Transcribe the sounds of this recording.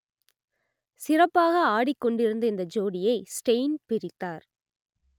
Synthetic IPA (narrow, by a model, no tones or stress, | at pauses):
sɪrɐpːaːɣɐaːɽɪkːɔɳɖɪɾɯnd̪ɐɪnd̪ɐd͡ʒoːɽɪjɐɪsʈɐɪnpɪɾɪt̪ːaːɾ